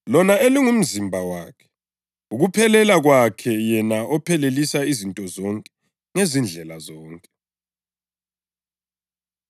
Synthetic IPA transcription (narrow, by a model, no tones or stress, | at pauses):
lɔnaeliŋum̩zimbʱawaːkʰɛ̥ | uɣupʰɛlɛlaɣwakʰɛjɛnaɔpʰɛlelisaizintʼɔzɔŋkʼɛ | ŋezind͡ɮʱɛlazɔːŋkʼɛ